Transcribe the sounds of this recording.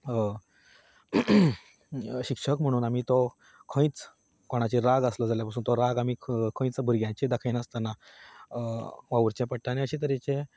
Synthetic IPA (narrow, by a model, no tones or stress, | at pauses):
ɕikʂəkm̤əɽ̃uːnamit̪ɔ | kʰə̃ĩt͡s | koɽ̃at͡ɕiɾaɡəsləd͡zaljapasuːnt̪ɔɾaɡam̤iːkʰə̃ĩt͡sbʱuɾɡjãt͡ɕẽd̪akʰainəst̪əna | ʋaʋəɾt͡ɕẽpəʈːanẽəɕẽt̪əɾet͡ɕẽ